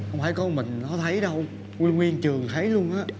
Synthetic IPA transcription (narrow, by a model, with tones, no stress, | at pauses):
hə˧wŋ͡mfaː˧˩jkɔ˧˦mï˨˩ŋ̟nɔ˨˦t̪ʰə˨˦jɗə˧w | ŋwi˧nŋwi˧ənt͡ɕɨ˨˩əŋt̪ʰə˨˦jlu˧ənʔaː˨˦˥